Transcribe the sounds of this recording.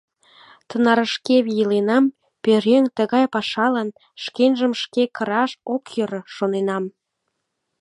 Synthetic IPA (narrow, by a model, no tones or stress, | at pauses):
t̪ənɑɾəʃkeβijəlenɑm | pøɾeŋt̪əɣɑjpɑʃɑlən | ʃkenʒəmʃkekəɾɑʃokjəɾəʃonenɑm